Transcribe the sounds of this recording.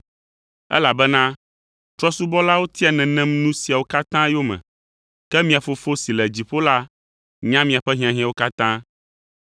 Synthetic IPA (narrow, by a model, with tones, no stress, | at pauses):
ɛ̰˦la˨bɛ˦nã˦ | t̪ɾɔ˦su˦bɔ˦la˦wo˦t̪i˦a˨nɛ̃˨nɛ̃˦mnũ˦si˨a˨wo˦ka˦t̪ã˦jo˦mɛ̰̃˨ | kɛ˦mĩ˦a˨fo˨fo˦si˨lɛ˨d͡ʑi˨ɸo˦la˦ | ɲã˦mĩ˨a˨ɸɛ˦ɦĩ˦ã˨ɦĩ˦ã˦˨wo˦ka˦t̪ã˦